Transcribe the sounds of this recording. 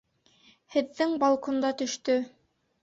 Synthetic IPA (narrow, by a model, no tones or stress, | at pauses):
hɘ̆ðːɘŋbɑlˠkŏnd̪ɑt̪ɵ̆ʃt̪ɵ